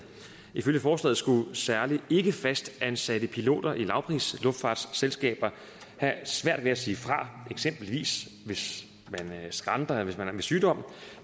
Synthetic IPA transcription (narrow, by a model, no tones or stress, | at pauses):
iføljəfɒːslɛ̰ːð̩sɡ̥usæɐlie̝ɡ̥əfæsd̥ænsæɾ̥əpʰilo̝̰ːd̥ɐʔilɑ̈ʊpʰʁḭːslɔ̽fd̥fɑ̈ːd̥sːelsɡ̥ɛ̰ːb̥ɐ | hæsʋæɐ̰d̥ʋe̝æsiːfʁɑ̈eɡ̥sem̰b̥l̩ʋḭːs | ʋe̝s | mænsɡ̥ʁɑ̈nd̥ɐʋe̝smænʋe̝syːd̥ɒ̽m̰